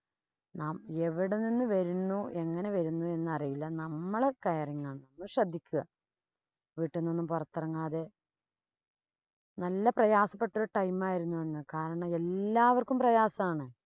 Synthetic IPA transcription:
naːme̞ʋiɽeninːɨʋɐɾunːue̞ŋːɐne̞ʋɐɾunːue̞nːɨɐrijilːɐnɐmːɐɭekɐjɐriŋːaːɳɨnɐnːuʂrɐd̪ʱːikʲːuɣɐ | ʋiːʈːenːonːumpɐrɐt̪ːɐrɐŋːaːðe̞ | nɐlːɐprɐjaːsɐpːe̞ʈːuɾuʈɐjmaːjiɾunːuʋeɳːɨkaːɾɐɳɐme̞lːaːʋɐrkumprɐjaːsɐmaːɳɨ

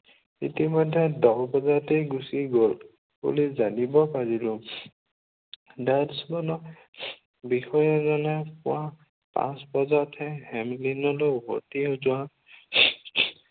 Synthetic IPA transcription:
ḭtimɔjdʱːɛdɔkbɔzatejɡusiɡol | bṵlizanibɔpaɹilʊ | dansbɔnɔ | bixɔjɔzɔnɛpʊ̰wa | pã̰sbɔzatʰɛhɛmlinɔloɦo̰tiozʊwa

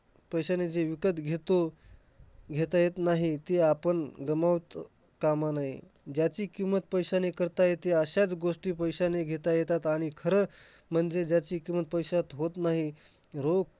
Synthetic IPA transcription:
pəjɕaned͡zeʋikət̪ɡʱet̪o | ɡʱet̪ajet̪naɦit̪eapənɡəmaʋt̪ | kamanaɦḭ | d͡ʑjat͡ɕiːkimət̪̚pəjɕanekəɾt̪ajet̪eəɕat͡sɡoʂʈiːpəjɕaneɡʱet̪ajet̪at̪aɽ̃ikʰəɾəːm̤əɳd͡zed͡ʑjat͡ɕiːkimət̪̚pəjɕat̪ɦot̪naɦiɾok

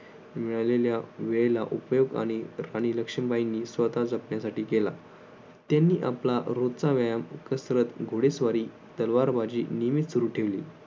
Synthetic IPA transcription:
miɭaleljaʋeɭelaʔupjoɡa̰ɽ̃iɾañiːləkʂəmbainːiːsʋət̪ad͡zəpɳjasaʈiːkela | t̪janːiːʔaplaɾot͡saʋəjamkəsɾət̪ɡʱoɽesʋaɾiː | t̪əlʋaɾbad͡ʑḭːnimit̪suɾuːʈʰeʋlḭː

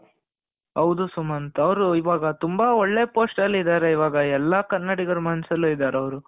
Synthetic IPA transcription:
ɦɐwd̪usumɐnt̪ɐɐʋɾuiʋaːɡɐt̪umbɐɔɭːepoːsʈɐlːid̪aːɾeiʋaːɡɐɛlːakɐnːɐɽiɡɐɾumɐnsɐlːuid̪aːɾeɐʋɐɾu

